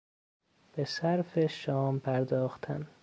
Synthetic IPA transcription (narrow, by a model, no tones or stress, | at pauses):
b̥esæɾfeʃɒːmpʰæɾd̪ɒːxt̪ʰæ̰n